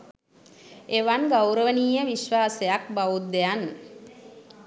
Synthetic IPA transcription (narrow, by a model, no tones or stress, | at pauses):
eʋanɡawɾəʋəniːjəʋiʃʋaːsejak̚baʋut̪̚d̪ejan